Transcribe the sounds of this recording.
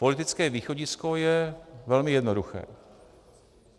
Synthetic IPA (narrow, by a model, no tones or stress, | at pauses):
po̞lɪt̪ɪt͡skɛːviːxo̞ɟɪsko̞jɛvɛlmɪjɛdnoduxɛ̰ː